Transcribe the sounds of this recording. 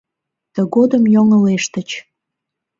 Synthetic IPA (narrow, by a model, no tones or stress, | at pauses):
t̪əɣod̪əmjoŋəleʃt̪ət͡ɕ